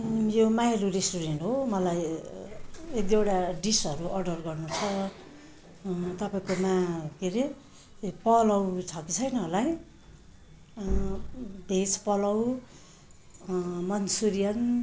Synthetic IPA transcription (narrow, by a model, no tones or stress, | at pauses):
jomajeluresʈuɾeɳʈɦomʌlaj | ed̪ieɽaɖisʌɾuʔʌɖʌrɡʌrnut͡sʰʌ | t̪ʌpaĩkomakiɾe | pʌlʌwt͡sʰʌkit͡sʰʌjnʌɦlaj | bʱet͡spʌlʌw | mʌnsuɾijʌn